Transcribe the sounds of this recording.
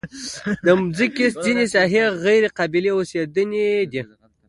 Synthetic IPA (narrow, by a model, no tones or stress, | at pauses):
d̪əmzikeszinesɑɦeɣajɾeqabileosed̪əned̪i